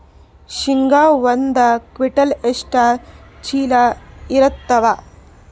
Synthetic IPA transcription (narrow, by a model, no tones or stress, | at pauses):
ʃiŋɡaːʋɐnd̪ɐkʋiʈɐleʂʈaːt͡ʃiːlaiɾɐt̪ːɐʋa